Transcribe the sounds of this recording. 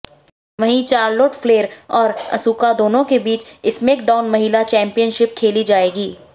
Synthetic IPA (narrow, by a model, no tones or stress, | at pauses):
ʋɐɦĩt͡ʃaːɾloːʈfʰleːɾɔːɾɐ̰suːkad̪oːnõkebiːt͡ʃɪsmeːk̚ɖaːʊnmɐɦɪlat͡ʃɛ̃ːmpijənʃɪp̚kʰeːlid͡ʒaːeːɡiː